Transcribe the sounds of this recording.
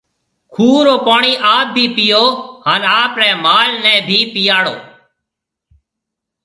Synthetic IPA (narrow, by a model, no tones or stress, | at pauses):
kʰuːɾoːpaːɳiːʔaːb̚bʱiːpɪjoːɦaːnaːpɾɛːmaːlnɛ̃ːbʱiːpɪjaːɽo̰ː